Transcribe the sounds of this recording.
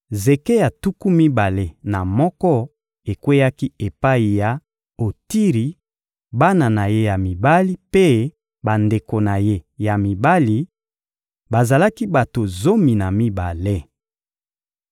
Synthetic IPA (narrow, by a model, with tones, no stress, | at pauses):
ze˨ke˦ja˨tu˦ku˦mi˦ba˨le˦na˨mɔ˦kɔ˦ | e˨kwe˦ja˦ki˦e˨pa˦i˨ja˨ | o˨ti˦ʁi˨ | ba˦na˨na˨je˦ja˨mi˨ba˦li˦pe˦ | ba˨nde˨ko˨na˨je˦ja˨mi˨ba˦li˨ | ba˨za˨la˦ki˦ba˨to˨zo˦mi˨na˨mi˦ba˨le˦